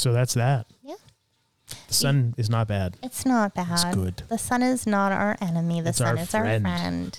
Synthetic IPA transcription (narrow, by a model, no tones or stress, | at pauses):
soʊðætsðæt̚jæ | ðəsʌ̃nɨznət̚b̥æd̥ɨtsnət̚b̥æsd̥ɡ̥ʊd̥ðəsʌ̃nɪznəɾa̰ə˞ʔɛnɨmiðɨsʌ̃˞nɨfza˞ɛ̃nɹɛ̃nd̥